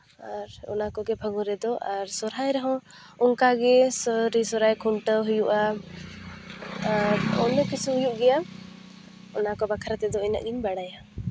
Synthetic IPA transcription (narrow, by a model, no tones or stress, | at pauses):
aɾɔ̰nakɔɡɛbʱəɡɔɾɛd̪ɔʔaɾsɔɾajɾəɦɔ̃ | ɔŋkaɡɛsɔɾisɔɾajkʰuɳʈəɦujuʔa | aɾɔ̰nɔkisuɦujuʔɡɛja | ɔnakɔbakʰaɾat̪ɛd̪ɔɛna̰ʔɡinbaɽaja